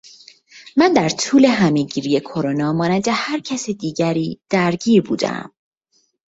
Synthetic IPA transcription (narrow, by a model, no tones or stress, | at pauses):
mænd̪æɾt̪ʰuːle̞ɦæmeɟiːɾije̞kʰo̞ɾonɒːmɒːnænd̪e̞hæɾcʰæsid̪iːɟæɾiːd̪̥æɾɟiːɾbuːd̪æ̰m